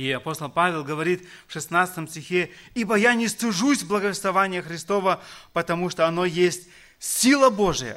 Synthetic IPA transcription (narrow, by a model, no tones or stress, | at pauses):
iɐpo̞st̪əlˠpavʲɪlˠɡəvɐɾʲit̪fʂɨsnat̪sɨ̥t̪əmsʲtʲɪxʲeibəjanʲɪslʊʐusʲblˠəɡəvʲɪst̪vɐvanʲɪjəxɾʲɪst̪o̞vəpət̪ɐmuʂt̪oɐno̞jesʲtʲ | sʲilˠəbo̞ʐɨjə̰